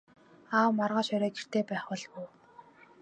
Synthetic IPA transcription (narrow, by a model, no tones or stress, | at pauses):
aːwmarʁaːʃœɾœːkir̥t̪ʰeːpæːχʊ̆ɮpuː